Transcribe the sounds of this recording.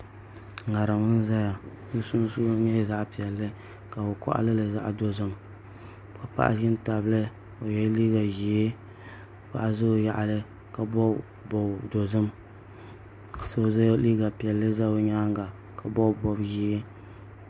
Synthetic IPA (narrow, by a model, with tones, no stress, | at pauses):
a˨ɾa˨mʊ˦n˦za˦ja˨n̩˦su˦n˦su˦ɲɛ˦za˦ʔpi˨ɛ˨lːɨ˦ | ka˨o˨kɔ̰˦ʔa̰˦lɨ˦lɨ˨za̰˦ʔdo˨zɨ˦m | ka˨pa̰˦ʔa̰˦ʒɪ˦nta˨blɨ˦o˨jɛ˦li˦ɡa˨ʒi˨ɪ˦ | pa̰˨ʔa˨zo˦˨ja̰˨ʔa˨lɨ˦ka˨bɔ˦bɔ˨do˨zɨ˦m˨ | so˦za˦liː˦ɡa˨pi˨ɛ˨lːɨ˦za˦o˦ɲaː˦ŋɡa˨ka˨bɔ˦bɔ˦bʒi˦e˦